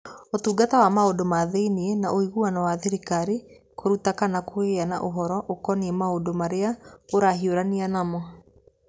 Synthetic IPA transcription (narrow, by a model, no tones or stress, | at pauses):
otuːɡatawamaodomaðeiniɛnaʔoiɣuanawaðeɾikaɾi | koɾutakanakoeanaʔoɦɔɾɔʔokɔniɛmaodomaɾeaoɾaɦioɾanianamɔ